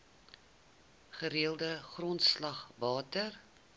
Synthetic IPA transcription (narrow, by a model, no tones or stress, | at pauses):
χəɾiəlˠdəχrɔntslɐχvɑːtər